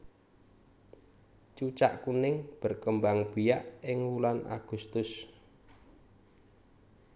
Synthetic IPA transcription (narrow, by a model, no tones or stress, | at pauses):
t͡ʃut͡ʃa̰ʔkunɪŋb̥ə̤rkəmbaŋb̥ijaʔɪŋwulana̰ɡ̥ṳst̪ʊs